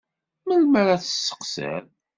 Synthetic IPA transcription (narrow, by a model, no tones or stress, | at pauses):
məlməɾæθə̥sːə̥qsə̰ɾ